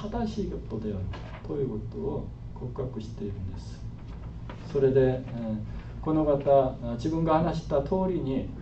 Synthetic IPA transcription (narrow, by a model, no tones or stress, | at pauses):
ad̪aɕiːɡʲepːod̪eoɾɯ | t̪o̞jɯ̟ːko̞t̪oː | kʰokɯ̥kakɯ̟ɕi̥t̪e̞iɾɯ̟̃nd̪e̞sɨ̥ | so̞ɾe̞d̪e̞ | ko̞no̞ɡat̪ad͡ʑibɯ̟̃ŋɡahanaɕi̥t̪at̪ʰo̞ːɾʲiɲ̟i